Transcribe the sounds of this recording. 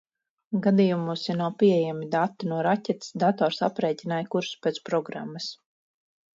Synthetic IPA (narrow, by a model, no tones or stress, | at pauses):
ɡad̪iːjumuːsinawpiejamid̪at̪ːinuɔɾacɛt̪sd̪at̪ɔːɾsa̰pɾɛjc̪ʲinajkuɾspʲɛt̪pɾɔɡɾa̰mːɐs